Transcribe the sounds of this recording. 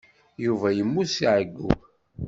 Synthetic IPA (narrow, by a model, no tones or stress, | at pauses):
juvæjəmːusiʕəɡːṵ